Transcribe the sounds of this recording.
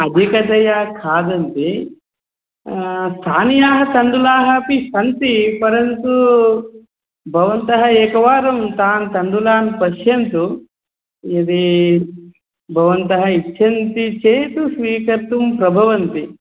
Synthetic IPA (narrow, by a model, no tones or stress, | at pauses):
ɐd̪ʱikɐt̪ɐjakʰaːd̪ɐnt̪i | st̪ʰaːnijaːɦɐ̆t̪ɐɳɖulaːɦɐpiʃɐnt̪ipɐɾɐnt̪u | bʱɐʋɐnt̪ɐɦɐeːkɐʋaːɾɐmt̪aːnt̪ɐɳɖulaːnpɐʃjɐnt̪u | jɐd̪i | bʱɐʋɐnt̪ɐɦɐitːʃʰɐnt̪it͡ʃeːt̪usʋiːkɐɾt̪umpɾɐbʱɐʋɐnt̪i